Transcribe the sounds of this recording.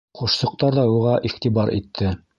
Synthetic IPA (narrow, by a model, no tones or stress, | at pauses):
χuʃsɤ̆q̚t̪ɑɾðɑuʁɑʔiχt̪ibɑɾḭt̪ʰːɘ